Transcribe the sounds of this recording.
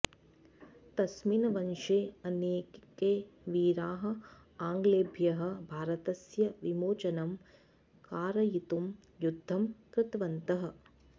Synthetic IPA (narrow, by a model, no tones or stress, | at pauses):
t̪ɐsminɐʋɐnʃeːɐneːkeːʋiːɾaːɦɐ̆ | aːŋɡleːbʱjɐɦɐ̆bʱaːɾɐt̪ɐsjɐʋimoːt͡ʃɐnɐm | kaːɾɐjit̪um | jud̪ʱːɐmkɾɪt̪ʋɐnt̪ɐɦɐ̆